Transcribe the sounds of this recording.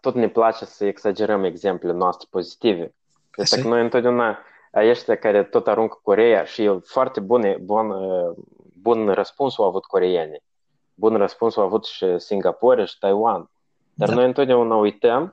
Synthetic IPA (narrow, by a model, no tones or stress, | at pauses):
t̪o̞t̪nʲeplat͡ʃe̞səeɡsad͡ʒe̞ɾəme̞ɡze̞mplʲenoast̪ɾʲepo̞zit̪ive | esakəno̞jɨnt̪od̪ʲeaunaː | jeʃt̪ʲakaɾet̪o̞t̪aɾuŋkko̞ɾejaʃijewfoart̪e̞bunebonə | bunrəspunsowavut̪ko̞ɾejenʲi | bunrəspunsowavut̪ʃisʲiŋɡapoɾʲʃi̥t̪ajwan | d̪̥arno̞jɨnt̪od̪ʲaunaujt̪əm